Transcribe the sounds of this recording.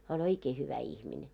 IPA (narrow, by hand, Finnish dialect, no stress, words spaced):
hæː olʲ oikeː hyʋæ ihmine